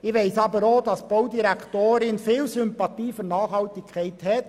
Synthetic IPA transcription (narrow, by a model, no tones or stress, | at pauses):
ɪʋeɪsɑːbəɾoːdɑsb̥oʊdiɾɛktoːɾɪnfiːlsʏmpɑtiːfynɑːχhɑltɪkʰːæɪthɛt